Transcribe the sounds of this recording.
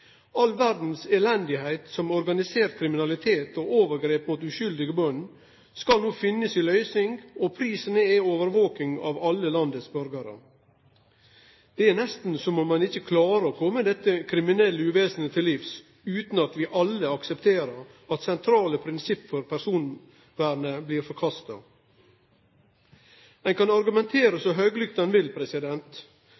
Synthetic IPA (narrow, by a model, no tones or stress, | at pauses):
ɑlʋæɾd̪n̩seːlɛnd̪ɪhæɪt̪sɔmɔɾɡɑnɪseːɾ̚kʰɾɪmɪnɑlɪt̪ʰeːt̪oʔoːʋəɾɡɾeːpmuːt̪ʉʃʏld̪ɪɡəbœnː | skɑlnuːfɪnːəsɪlœʏsnɪŋɡɔpʰɾiːsənəɛoːʋəɾʋoːkɪŋɑ̰ʋɑlːəlɑnd̪əsbœɾɡɑɾə̰ | d̪̥ɛænɛst̪n̩sɔmɔmːɑnɪçːəkʰlɑːɾəɔkʰɔmːəd̪ɛt̪ːəkʰɾɪmɪnɛlːəʉːʋeːsənət̪ʰɪlːiːfs | ʉːt̪n̩ɑt̪ʋɪʔɑlːəɑksɛpt̪ʰeːɾəɾ | ɑt̪sɛnt̪ʰɾɑːləpʰɾɪnsɪpːfɔɾpʰæɾsuːn | ʋæːɾɳəbliːɾfɔɾkʰɑst̪ɑ | ɛnkɑnɑɾɡʉmɛnt̪ʰeːɾəsɔɦøːɡəlʏkt̪ɛnʋɪlpʰɾɛsɪd̪ɛnt̪